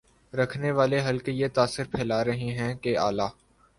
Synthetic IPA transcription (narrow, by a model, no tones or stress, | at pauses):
ɾɐkʰneʋaːleɦɐlkejet̪aːsːɪɾpʰɛːlaːɾɐɦiɦɛ̃kea̰ːlaː